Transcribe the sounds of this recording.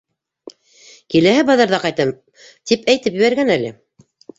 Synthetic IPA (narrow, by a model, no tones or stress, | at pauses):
kilæhæbɑðɑɾðɑqɑjt̪ɤm | t̪ipæjt̪ɘpjɘ̆βæɾɡænælɘ̰